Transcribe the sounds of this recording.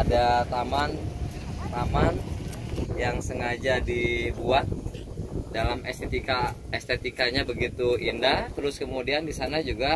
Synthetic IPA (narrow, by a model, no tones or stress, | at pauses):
adat̪aman | t̪aman | jaŋsəŋad͡ʒadibuat̪̚dalamɛst̪et̪ikaɛst̪et̪ikaɲabəɡit̪uʔindaht̪əɾʊskəmudiandisanad͡ʒuɡa